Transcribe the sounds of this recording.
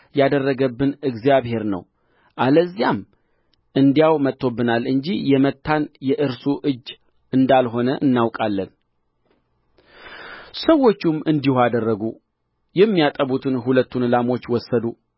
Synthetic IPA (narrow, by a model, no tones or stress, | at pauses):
jad̪ərːəɡəbːɨnɨɡzijaβhe̞ɾnə̰w | ʔaləzːijam | ʔɨnd̪ijawmət̪ːo̞bːɨnalːɨɲd͡ʒijɛmət̪ːanjɛʔɨɾsuʔɨd͡ʒː | ɨnd̪alɦo̞nəʔɨnːawkʼalːən | səwːo̞t͡ʃːumɨnd̪ihad̪ərːəɡu | jɛmːijat̪ʼəβut̪ʰɨnɦulət̪ːunɨlamo̞t͡ʃːwɔsːəd̪u